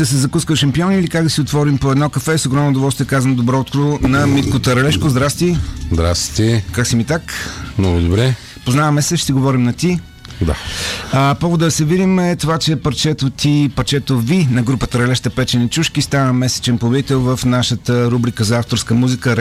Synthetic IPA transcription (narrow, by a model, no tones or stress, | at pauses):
d̪ɐsɛzɐkuskəʃɐmpiɔnilikakd̪ɐsiot̪vɔɾimpoɛd̪nɔkɐfɛsoɡɾɔmnoʊd̪ʊvɔlˠst̪iɛkazənd̪obɾɔːt̪kɾonɐmit̪kot̪əɾɐlɛʃkozd̪ɾast̪izd̪ɾa̰st̪ɛkaksimit̪akmnɔɡʊd̪obɾɛ | poznavəmɛsɛʃt̪iɡovɔɾimnɐt̪i | d̪a̰əpɔvod̪əd̪ɐsɛvid̪imɛt̪ovat͡ʃɛpɐɾt͡ʃɛt̪ot̪ipɐɾt͡ʃɛt̪ovinɐɡɾupət̪əɾɐlɛʃt̪əpɛt͡ʃɛnit͡ʃuʃkist̪anəmɛsɛ̥t͡ʃɛnpobʲd̪it̪ɛlˠvəfnaʃət̪əɾubɾikəzɐaft̪oɾskəmuzikə